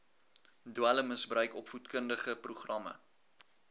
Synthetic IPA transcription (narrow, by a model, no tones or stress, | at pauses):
duæləməsbrœɥkɔpfutkəndəχəpruχrɐmə̰